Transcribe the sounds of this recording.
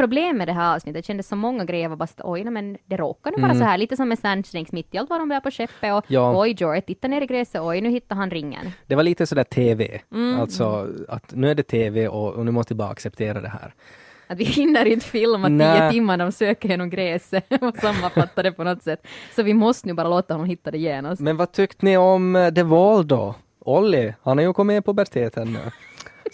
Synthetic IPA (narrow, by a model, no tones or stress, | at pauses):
pʰɾʊbleːmːɛd̪ɛɦæːɾɑːvsnɪt̪ːət̪ʰɕɛnd̪əsɔmɔŋːaɡɾɛjːəɾʋabɑsḁt̪ːʔɔjnɛmɛnd̪ɛɾoːkaɳuːʋɑːɾasɔɦæːliːt̪əsɔmːɛsænslɛŋksmɪt̪ːɪalt̪vadɔmbaːpʰɔɕɛpːəɔjɑːɔjd͡ʒɔət̪ʰːɪt̪ːaɳeːɾɪɡɾeːsəɔjnʉhɪt̪ːaɾɦanɾɪŋːə̰nd̪̥ɛvaliːt̪əsɔd̪æːt̪ʰeːvḛːm̩ːalt̪sɔa̰t̪nʉːæɖɛt̪ʰeːveʔɔnʉ̟ːmɔst̪əvɪbɑːɾa̰a̰ksɛp̚t̪ʰeːɾa̰d̪ɛhæ̰ːɾ | at̪ʋɪhɪnːəɾɪnəfɪlːmat̪niːətɪmːanæɾɔmsøːkəɾjeːnɔmɡɾeːsəɔsamːanfat̪ːad̪ɛpɔnɔt̪ːsɛt̪ːsɔʋɪmɔst̪ənʉːbɑːɾaloːt̪ahɔnːɔmhɪt̪ːad̪ɛjeːnasmɛnvɑt̪ʰʏkt̪nɪɔmd̪ɛvɔld̪ɔ̰ | ɔlːɪhanhɑɾjʉkʰɔmːɪpʰɔbæɾt̪ʰeːt̪ʰənːʉ̰ː